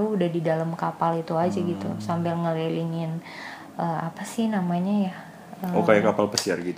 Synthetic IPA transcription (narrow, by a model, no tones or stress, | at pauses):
uudahdidalamkapalit̪uad͡ʒaɡit̪ṵsambɪlŋəliliŋɪn | ʔəːapasɪhnamaɲaja | əokajakapalpəsiarɡit̪